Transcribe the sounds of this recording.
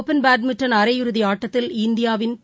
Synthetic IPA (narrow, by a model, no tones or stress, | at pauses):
pːɛnbaːd̪̚mɪʈrɐnɐɾɐjɪɾɯðiaːʈːɐt̪ːɪlɪnd̪ɪjaːʋɪn